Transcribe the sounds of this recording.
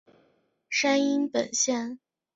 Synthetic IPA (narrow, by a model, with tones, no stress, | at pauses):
ʂa˥ni˥npə˨˩nɕjɛ˥˩n